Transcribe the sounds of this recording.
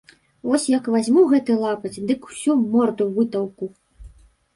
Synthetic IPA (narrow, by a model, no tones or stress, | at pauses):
vɔsʲjɐkvazʲmuɣɛt̪ɨlˠapɐt͡sʲd̪ɨku̥sʲumɔrd̪uvɨt̪ɐwku